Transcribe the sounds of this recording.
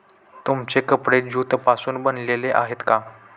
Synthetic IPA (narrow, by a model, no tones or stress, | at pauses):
t̪umt͡sekəpɽed͡ʑuːt̪pasuːnbənleleʔa̰ɦet̪ka